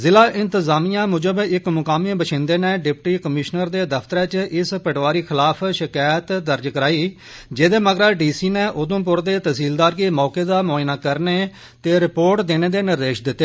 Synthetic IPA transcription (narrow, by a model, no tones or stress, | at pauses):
zɪlaːʔɪ̃nt̪əzaːmijãːmʊd͡ʒəbɪkmʊkaːmibəʃʰɪ̃nd̪eːneːɖɪpʈiːkəmɪʃnəɾd̪eːd̪əpʰt̪əɾɛ̃ːt͡ʃʔɪspəʈʋaːɾiːkʰɪlaːpʰʃɪkaːjt̪d̪əɾd͡ʒkəɾaːiː | d͡ʒeːd̪eːməɡɾaːɖiːsiːneːʔoːd̪õːp̬ʊɾd̪eːt̪əsiːld̪aːɾɡeːmɔːkeːd̪aːmɔːjnaːkəɾneː | t̪eːɾɪpoːɾʈd̪eːneːd̪eːnɪɾːeːʃd̪ɪt̪ːeː